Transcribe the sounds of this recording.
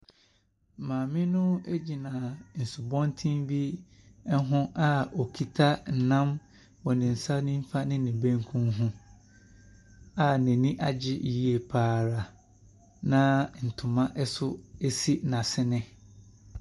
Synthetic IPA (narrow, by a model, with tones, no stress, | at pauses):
mãː˨mɪ̃˦nʊ̃˦e˦d͡ʑi˨nã˨n̩˨sʊ˨bɔ̃˦ntʰĩ˦mbi˦ | ɛ˦ɦʊ̃˦ʔa˦ɔ˨kʰi˨tʰa˦n̩˨nã˦m | wɔ˨nɪ̃˨n̩˨sa˦nɪ̃˦m̩˦fa˦nɪ̃˦nɪ̃˨bẽ˦ŋkʰũ˦nɦũ˦ | a˨nɛ̃˨nĩ˦ʔa˨d͡ʑɪ˦ʔji˦e˨pʰaː˨ɾa˨ | nã˦n̩˨tʰʊ̃˨mã˦ʔɛ˦sʊ˦e˦si˦nã˨sɪ˦nɪ̃˦